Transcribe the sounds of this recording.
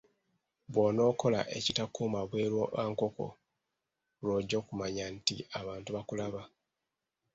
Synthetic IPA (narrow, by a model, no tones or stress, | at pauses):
βwoːno̞ːko̞la̰ʔe̞̰citakuːmaβwe̞ːɾwoʔaːŋko̞ko̞̰ | lo̞ːɟːo̞ːkumaɲantiaβaːntuβakulaβa